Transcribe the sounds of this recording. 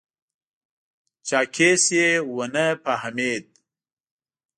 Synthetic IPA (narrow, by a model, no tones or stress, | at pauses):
t͡ʃaːkʰesjewɐnɐpahɐmeːd̪̚